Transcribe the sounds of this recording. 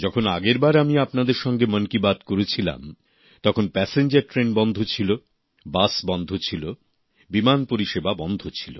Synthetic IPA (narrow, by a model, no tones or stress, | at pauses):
d͡ʑɔkʰonaɡeɾbaɾamiapnad̪eɾʃɔŋɡemənkibad̪koɾet͡ɕʰila̰m | t̪ɔkʰonpɛseɲd͡ʑɐɾʈɾenbɔnd̪ʱot͡ɕʰilo | basbɔnd̪ʱot͡ɕʰilo | bimanpoɾiʃebabɔnd̪ʱot͡ɕʰi̥lo̰